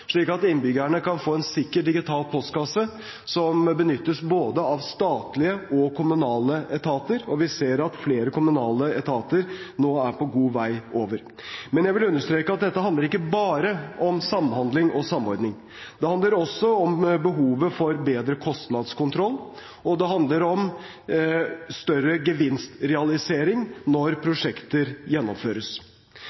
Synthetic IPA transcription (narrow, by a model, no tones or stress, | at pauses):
ʂɭiːkɑt̪ɪnbʏɡæɳəkɑnfoːɛnsɪkːəʈɖ̪ɪɡɪt̪ʰɑːlpʰɔst̪kɑsə | sɔmbənʏt̪ːəsboːd̪əɑʋst̪ɑːt̪lɪəɔkʰʊmʉnɑːləʔɛt̪ʰɑːt̪əɾɔʋɪseːɾɑt̪fleːɾəkʊmʉnɑːləɛt̪ʰɑːt̪əɾ | noːæɾpɔɡuːʋæɪoːʋəɾ | mɛnjæɪʋɪlʉnːəʂt̪ɾeːkəɑt̪̚d̪ɛt̪ːəhɑnd̪əɾɪkːəbɑːɾəɔmsɑmːhɑnd̪lɪŋɔsɑmɔɾd̪nɪŋ | d̪ɛhɑnd̪ləɾɔsːɔɔmbəɦuːʋəfɔɾbeːd̪ɾəkʰɔst̪nɑd̪skʊnt̪ʰɾɔlː | ɔd̪ɛɦɑnd̪ləɾɔm | st̪œɾəɡəʋɪnst̪ɾɛɑlɪseːɾɪŋnɔɾpʰɾʊʂɛkt̪əɾjɛnːɔmføːɾəs